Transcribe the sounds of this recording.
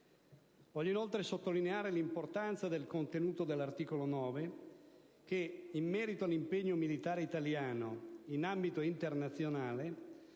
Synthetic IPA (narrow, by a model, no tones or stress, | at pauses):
vɔʎːoinolt̪ɾesot̪ːolineaːɾelimport̪ant̪sad̪elkont̪enuːt̪od̪elːart̪iːkolonɔːve | keimːɛːɾit̪oalːimpeɲːomilit̪aːɾeit̪aljaːnoinambit̪oint̪ernat̪sːjonaːle